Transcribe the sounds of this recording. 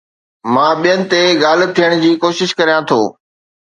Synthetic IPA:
mãːɓijənɪ̆t̪eɠaːl̤̆t̪ʰijəɽ̃̆d͡ʑiːkoːʃɪʃkɐɾijãt̪ʰoː

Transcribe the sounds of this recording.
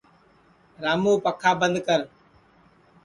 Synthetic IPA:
ɾaːmoːpəkʰaːbə̃nd̪kəɾ

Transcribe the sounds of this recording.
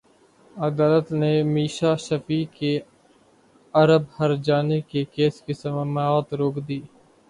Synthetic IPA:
əd̪aːlət̪neːmiːʃaːʃəfiːke | ɐɾəbhəɾd͡ʒaːnekekeːskɪsəmmaːt̪ɾoːkd̪iː

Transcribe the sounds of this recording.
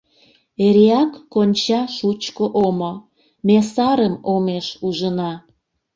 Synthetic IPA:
eɾeɑkːonʲt͡ɕɑʃut͡ɕkoʔomo | mesɑɾəmomeʃuʒənɑ

